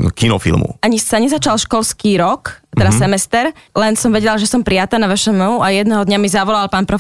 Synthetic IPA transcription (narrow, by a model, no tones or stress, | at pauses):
kinɔ̰fḭlˠmṵaɲisaɲɛzat͡ʃalʃkɔlskiːɾɔkt̪ɛɾassɛmɛst̪ɛɾlɛnsɔmʋɛɟɛlaʒɛsɔmpɾijat̪aːnaʋɛʃɛmɛuajɛd̪nɛɦɔd̪ɲamizaʋɔlalpaːnpɾɔ